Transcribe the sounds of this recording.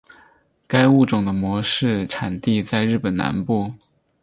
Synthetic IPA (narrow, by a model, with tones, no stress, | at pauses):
ka˥ɪu˥˩ʈ͡ʂʊ˨˩ŋd̪ə˦mwɔ˧˥ʂɻ̩˥˩˧ʈ͡ʂʰa˨˩nt̪i˥˧t͡sa˥˧ɪɻɻ̩˥˩pə˨˩na̰˧˥npu˥˩